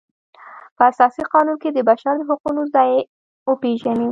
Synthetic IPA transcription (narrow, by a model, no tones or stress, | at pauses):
pəasɑsiqɑnunked̪əbaʃaɾd̪əɦʊqunozd̪ɑje | wəpeʒani